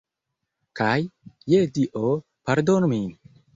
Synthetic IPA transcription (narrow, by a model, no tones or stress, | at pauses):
kajːediʔo | paɾdonmin